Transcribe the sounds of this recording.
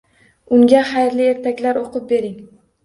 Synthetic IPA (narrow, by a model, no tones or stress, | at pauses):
ʊŋɡʲaχajɾlɪe̞ɾt̪ʰakʲlaɾoqʊp̚be̞ɾɪŋ